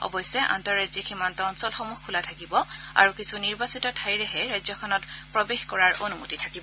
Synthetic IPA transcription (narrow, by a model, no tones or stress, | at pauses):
ɔ̰bɔjsɛʔa̰ntɔɹazikhimantɔɔnsɔlxɔmuxkʰulatʰakibɔa̰ɹukisʰuniɹbasitɔtʰajɹɛɦɛɹajzɔkʰɔnɔtpɹɔbexkɔɹaɹʔonumotitʰakibɔ